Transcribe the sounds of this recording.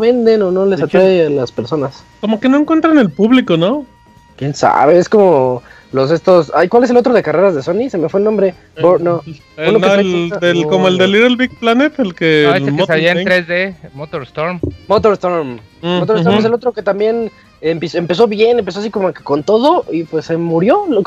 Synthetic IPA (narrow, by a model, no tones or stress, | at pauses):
oβe̞nd̪enono̞le̞sat̪ɾaealaspe̞ɾso̞nas | komo̞kenoeŋkwe̞nt̪ɾanelpuβlikono | kje̞nsa̰βeesko̞mo | los̬e̞st̪o̞sajkwales̬eot̪ɾo̞ðekareɾazðe̞so̞nisemefwelnombɾe̞ | pono | unloneod̪ekomoeld̪eliɾelβik̚planet̪aelkeeemsaβiaenɾezðemot̪oɾst̪oɾmmot̪oɾst̪oɾm | mot̪ost̪omes̬elot̪ɾo̞ke̞t̪ambje̞n | empesempe̞s̬o̞βje̞nempesoasiko̞mokeko̞nt̪o̞ðoʔipwesːemuɾjo̞l